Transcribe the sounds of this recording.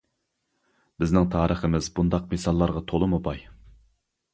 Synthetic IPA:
b̥ɪznɪŋt̪ʰɑːɾəχəmɪzbund̪ɑq̚mesɑlˠːɑɾʁɑt̪ʰolˠɨmubɑj

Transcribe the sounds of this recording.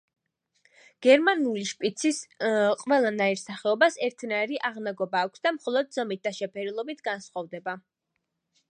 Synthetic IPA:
ɡ̥ɛɾmanuliʃpʼit̪sʰisqʼwɛlˠanaiɾsaχɛɔbasɛɾt̪ʰnaiɾiʔaʁnaɡɔbaːkʷʰsd̪amχɔlˠɔd̪zɔmit̪̚d̪aʃɛpʰɛɾilˠɔbit̪ʰɡansχɔvd̪ɛba

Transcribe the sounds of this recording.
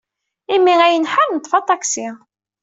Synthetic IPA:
imːiæjənħaɾnət̪ˤːfɑt̪ˤɑksi

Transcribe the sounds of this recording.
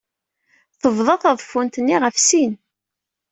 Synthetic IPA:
θəvðˤɑθɑðˤfːunt̪ənːiʁəfsin

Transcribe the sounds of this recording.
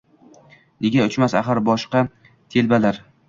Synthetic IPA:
neɡʲaʊt͡ʃmasa̰χaɾbɒʃqɑ | t̪ʰelbalaɾ

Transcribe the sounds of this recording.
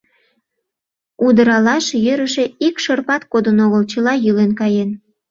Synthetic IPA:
ud̪əɾɑlɑʃjøɾəʃe̽ikʃərpɑt̪kod̪ənoɣəlt͡ɕəlɑjylenkɑjen

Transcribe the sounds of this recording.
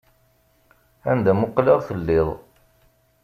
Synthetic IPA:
ænd̪æmʊqːləʁθəlːɪðˤ

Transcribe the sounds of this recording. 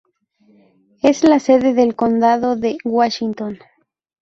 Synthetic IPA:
eslase̞ðeðelkond̪aðoðewaʃint̪on

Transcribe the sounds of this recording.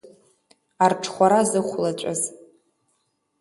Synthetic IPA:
arʈ͡ʂʰχʷaɾazɨχʷlat͡ɕt͡ʃʷʼa̰z

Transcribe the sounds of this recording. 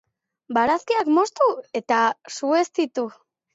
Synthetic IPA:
baɾaskiakmo̞st̪ue̞t̪asue̞st̪it̪u

